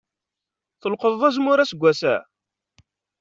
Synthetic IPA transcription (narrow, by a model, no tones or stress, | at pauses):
θəlqəððˤæzmʊɾæsəɡʷːæsæ̰